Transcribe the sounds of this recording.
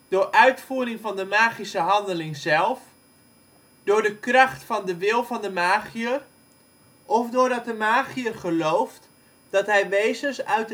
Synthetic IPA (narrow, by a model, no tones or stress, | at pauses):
d̥ʊːrʔœɥtfuːrɪŋvɑndəmaːχisəɦɑndəlɪŋzɛlˠf | d̥ʊːrdəkrɑχtfɔndəʋɪlˠvɔndəmaːχiər | ʔɔfdʊːrdɑt̚dəmaːχiərχəlowft | d̥ɔtɦɛjʋeːzənsœɥt